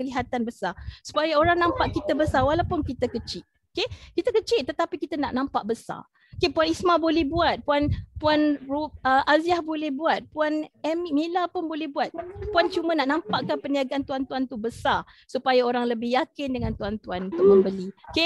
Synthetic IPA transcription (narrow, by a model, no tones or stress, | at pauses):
kəliɦat̪anbəsasu̥pajaoɾaŋnãmpaʔkit̪əbəsawalawpʊnkit̪akət͡ʃɪʔ̚ | okekit̪əkət͡ʃɪʔt̪ːət̪apikit̪ana̰ʔnãmpaʔbəsa̰ | okepuanismabolɛhbuat̪̚puanpuanruəʔaziahbolɛhbuat̪̚puanɛmimilapʊnbolɛhbuat̪̚puant͡ʃumãnaʔnãmpaʔkanpəniaɡaant̪uant̪uant̪ubəsasupajaoɾaŋləbɪhjakɪndəŋãnt̪uant̪uant̪uʔməmbəlioke